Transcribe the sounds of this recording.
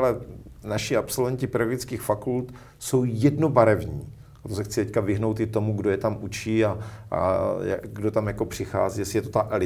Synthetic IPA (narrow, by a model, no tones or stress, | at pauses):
lɛnaʃɪapso̞lvɛɲcɪpɾoɡɪt͡skiːxfakult̪ | so̞wjɛdnobaɾɛvɲiː | at̪osɛxt͡sɪt̪ɛckavɪɦnowt̪ɪt̪o̞muɡdo̞jɛt̪amʔut͡ʃiːaʔja̰ɡdot̪amjako̞pr̝̥ɪxa̰ːziːjɛsɪjɛt̪ot̪aʔɛlɪ